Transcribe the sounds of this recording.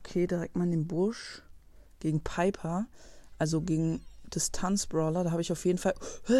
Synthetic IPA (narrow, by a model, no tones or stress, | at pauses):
kʰeːdiʁɛk̚tmaːldeːnbʊɐʃ | ɡ̥eːɡŋ̩pʰaɪpʰɐʔalzoɡeːɡŋ̩d̥ɪstʰant͡sb̥ʁɔlɐdaːɦaːbəɪçaʊfjeːdn̩falh